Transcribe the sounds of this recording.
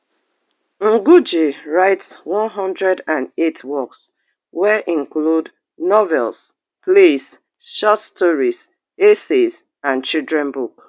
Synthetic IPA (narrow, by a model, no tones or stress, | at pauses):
ŋ̩ɡud͡ʒeɹaɪtswɔ̃nɦɔ̃ndɹɛdãnetwɔks | wɛʔĩŋklud | nɔvɛls | ples | ʃɔtstɔɹiz | esez | ãnt͡ʃildɹɛ̃nbuk